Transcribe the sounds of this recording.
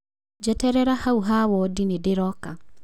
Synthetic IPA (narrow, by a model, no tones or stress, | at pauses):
d͡ʒɛtɛɾɛɾahauɦawɔdinedeɾɔka